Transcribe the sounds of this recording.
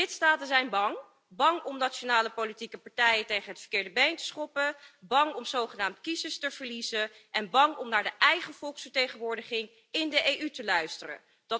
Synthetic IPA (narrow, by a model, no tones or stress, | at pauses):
ɪtstaːtənzɛjnbɑŋ | bɑŋɔmnat͡ʃonaːləpolitikəpɑɹtɛjəntejχənɦətfəɹkɪːɹdəbejntə̥sχɔpəbɑŋɔmzowχənaːmtkizəstəv̥əɹlizənʔɛnbɑŋɔmnaːɹdəʔɛjχəv̥ɔlˠksfəɹtejχənʋʊːɹdəχɪŋ | ɪndəʔejytəlœɥstərə̰n | dɑ